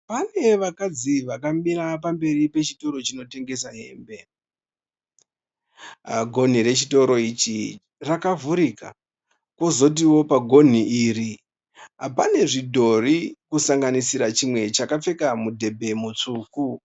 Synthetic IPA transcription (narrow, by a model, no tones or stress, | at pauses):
pane̞ʋakad͡ziʋakamɓiɾapambe̞ripe̞t͡ʃito̞ɾo̞t͡ʃino̞te̞ŋɡe̞saɦe̞ːmbe̞ | ɡʱo̞n̤iɾe̞t͡ʃito̞ɾo̞it͡ʃi | rakavuɾika̰ | ko̞zo̞t̬iwo̞paɡʱo̞n̤iiːri | apane̞ʐidʱo̞rikusaŋɡanisiɾat͡ʃimwe̞t͡ʃakap͡fe̞kamudʱe̞bʱe̞mut͡ʂuːku